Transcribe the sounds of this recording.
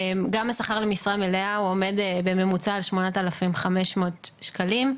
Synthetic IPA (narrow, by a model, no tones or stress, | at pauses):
mɡamasaχaʁlemisʁameleauo̞me̞dbe̞me̞mut͡saːlʃmonat̪alafimχame̞ʃmo̞tʃkalim